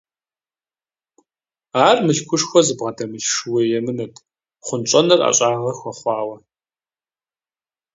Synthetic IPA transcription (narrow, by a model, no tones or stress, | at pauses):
aːrmɨɬkʷʰʊʂxʷɔzɨbʁɐdɐmɨɬʂɨweːjɛmɨnɐtʰʼ | χʷʊnt͡ʃʼɐnɐra̰ɕʼaːʁɐxʷɐχʷɑːwɐ